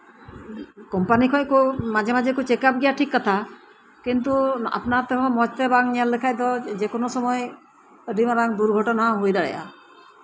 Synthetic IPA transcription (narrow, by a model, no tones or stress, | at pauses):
kɔmpanikʰɔjkɔmad͡ʒemad͡ʒekut͡ʃɛkap̚ɡɛjaʈʰikːat̪ʰa | kint̪̬ua̰pnat̪ɛɦɔ̃mɔd͡ʒt̪ɛbaŋjallɛkʰajd̪ɔd͡ʒekɔnɔsɔmɔj | ɾimaɾaŋd̪uɾɡʱɔʈɔnaɦojɾaɽɛ̰ʔa̰